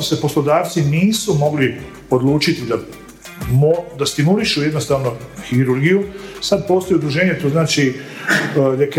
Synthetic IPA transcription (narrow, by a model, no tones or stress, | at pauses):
osepo̞slo̞d̪aːʋt̪siniːsumo̞ɡli | o̞d̪lˠuːt͡ʃit̪id̪a | mod̪ast̪imuliʃujɛd̪no̞st̪aːʋnoxiɾuɾɡijusad̪̚po̞ːst̪ojud̪ɾuʒe̞ːɲet̪oːznaːt͡ʃi | d̪ek